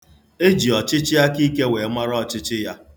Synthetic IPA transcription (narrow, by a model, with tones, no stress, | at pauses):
e˦d͡ʒi˨ɔ˨t͡ʃɪ˦t͡ʃɪ˦ja˦ki˦ke˦we˨˦ma˦ɾɔ˦˨t͡ʃɪ˦t͡ʃɪ˦ja˦